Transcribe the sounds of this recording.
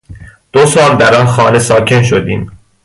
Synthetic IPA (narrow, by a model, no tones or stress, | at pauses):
d̪̥osɒːld̪æɾɒnxɒːne̞sɒːcʰe̞nʃ̬o̞d̪iːm